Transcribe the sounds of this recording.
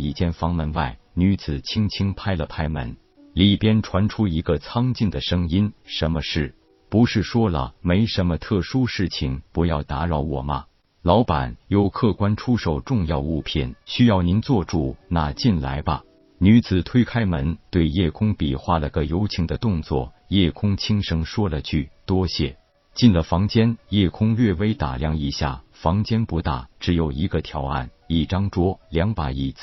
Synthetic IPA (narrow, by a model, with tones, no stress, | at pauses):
i˥˩t͡ɕjɛ˥nfɑ˧˥ŋmə˧˥nwa˥˩ɪ | ny˧˥t͡sɹ̩˨˩t͡ɕʰi˥ŋt͡ɕʰi˥ŋpʰa˥ɪlə˨pʰa˥ɪmə̰˧˥n | li˨˩pjɛ˥nʈ͡ʂʰwa˧˥nʈ͡ʂʰu˥i˧˥ɡə˧t͡sʰɑ˥ŋt͡ɕi˥˩nd̪ə˩ʂɤ˥ŋi˥nʂə˧˥nmə˧ʂɻ̩˥˩ | pu˧˥ʂɻ̩˥˩ʂwɔ˥lə̰˨me˧˥ɪʂə˧˥nmə˧t̪ʰɤ˥˩ʂu˥ʂɻ̩˥˩t͡ɕʰi˨˩ŋpu˧˥jɑ˥˩ʊt̪a˧˥ɻɑ˧˥ʊwɔ˨˩mɐ̰˦ | lɑ˧˥ʊpa̰˨˩˦njo˥˧ʊkʰɤ˥˩kwa˥nʈ͡ʂʰu˥ʂo˥˩ʊʈ͡ʂʊ˥˧ŋjɑ˥˧ʊu˥˧pʰḭ˨˩nɕy˥jɑ˥˩ʊni˧˥nt͡swɔ˥˧ʈ͡ʂu˥˩na˥˧t͡ɕi˥˩nla̰˧˥ɪbɐ̰˧ | ny˧˥t͡sɹ̩˨˩t̪ʰwe˥ɪkʰa˥ɪmə˧˥nt̪we˥˧ɪjɛ˥˩kʰʊ˥ŋpi˨˩xwa˥˩lə˨˩ɡə˧˩jo˥ʊt͡ɕʰi˧˥ŋd̪ə˧t̪ʊ˥˧ŋt͡swɔ̰˥˩ | jɛ˥˩kʰʊ˥ŋt͡ɕʰi˥ŋʂɤ˧˥ŋʂwɔ˥lə˨t͡ɕʰy˥˩t̪wɔ˥ɕjɛ˥˩ | t͡ɕi˥˩nlə˩fɑ˧˥ŋt͡ɕjɛ˥njɛ˥˩kʰʊ˥ŋlɥɛ˥˩we˥ɪt̪a̰˨˩ljɑ˥˩ŋi˨˩ɕja̰˥˩ | fɑ˧˥ŋt͡ɕjɛ˥npu˧˥t̪a̰˨˩ʈ͡ʂɻ̩˧˥jo˨˩ʊi˧˥ɡə˧t̪ʰjɑ˧˥ʊa̰˥˩n | i˨˩ʈ͡ʂɑ˥ŋʈ͡ʂwɔ˥ljɑ˧˥ŋpa˨˩i˨˩t͡s̩˥˩